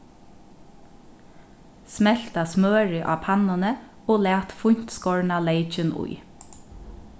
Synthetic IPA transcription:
smɛl̥t̪asmøːɹɪʔɑ̰ːpʰɑnənə | oːlæːt̪fʊɲ̥t̪skɔɹɳaleɪt͡ʃɪnʊ̰ɪ

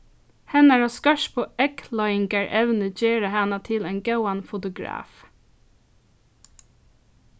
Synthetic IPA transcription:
hɛnæɹoːskɑʃpʰoːɛkʰlɔʏɪŋɡəɹʔɛʋnəd͡ʒeːɹəhɑnɑt̪ʰɪlenɡɑʊɑnfʊt̪ʊɡɹɑ̰ːf

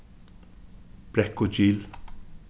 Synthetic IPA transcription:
b̥ɾɛkːʊd͡ʒiːl

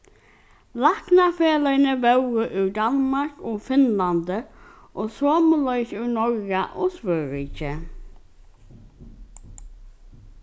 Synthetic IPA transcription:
laknafeːlənəʋɛwəʔʉɹd̪anmaɹkɔːfɪnland̪ə | ʔoːsoːməlœʏçʉːɹnɔɹɡaʔɔːsʋœɹiːt͡ʃə

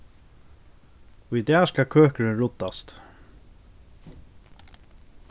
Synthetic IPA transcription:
ʊjt̪ɛːskakʰøːhkəɹɪnɹʊt̪ːast̪

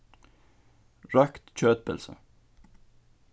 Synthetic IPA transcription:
ɹɑkt̪c͡çøːt̪̚bə̰lsə̰

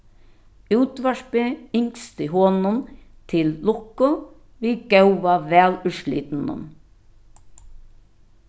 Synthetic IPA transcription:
ʉːt̪ʋaʃpeɪŋkst̪ɪɦoːnʊnt̪ʰɪlːʊkʊ | ʋiːɡœwʋaʋɛːlʉʃlḭːt̪nʊ̰n

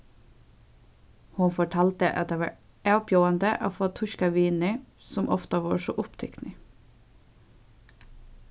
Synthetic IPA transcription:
hʊnfɔʈʰɑːlt̪ə̰ʔɑt̪̚eːʋɑ̰ːɹ | æːʊpjoːɑnd̪əʔo̰ːfoːt̪ʰʊʃkɑʋiːnəɹ | sɔmʔɔft̪ɑʋɑ̰ːʃoːʔʊpt̪ʰɛknɪ

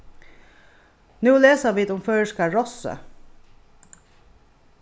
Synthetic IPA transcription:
nʉːleːsɑʋiːd̪ʊmføːɹʂkɑɹɔsə̰

